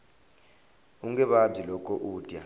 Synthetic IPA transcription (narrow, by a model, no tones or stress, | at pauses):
uŋɡɛɓabb͡ʐzilɔkʼɔʔuːtʼja